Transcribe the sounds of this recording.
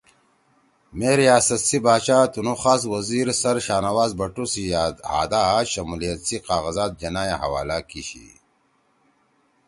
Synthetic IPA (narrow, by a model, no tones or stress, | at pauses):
meːɾijaːsɐt̪sibaːɕaːt̪unoxaːswɐziːɾsɐɾɕaːnɐwaːzbɐʈusia̰ːd̪aːɕɐmulijɐt̪siqaːɣɐzaːt̪̚d͡ʑɐnaːjaɦɐ̰wa̰ːlaːkiɕḭ